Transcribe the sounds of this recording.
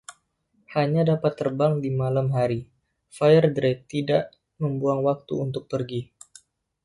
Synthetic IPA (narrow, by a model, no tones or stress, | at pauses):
haɲadapat̪ːərbaŋdimalamɦaɾi | fajərdɾɛk̚t̪idaʔ | məmbuaŋwak̚t̪ṵunt̪ʊk̚pərɡi